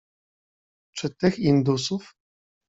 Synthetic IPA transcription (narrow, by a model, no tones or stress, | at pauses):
t͡ʂɘt̪ɘxind̪usuf